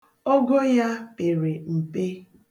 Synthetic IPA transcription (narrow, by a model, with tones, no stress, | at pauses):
o˦ɡo˦ja˦pe˨ɾe˨m̩˨pe˦